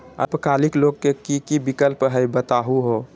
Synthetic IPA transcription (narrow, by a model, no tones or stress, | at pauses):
ə̰pkaːlɪkloɡ̚kekikibikəlpɦəjbət̪aːɦuɦo